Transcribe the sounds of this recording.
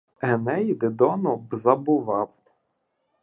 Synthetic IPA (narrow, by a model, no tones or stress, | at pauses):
ɛnɛjd̪ɪd̪ɔnʊbzɐbʊʋɑw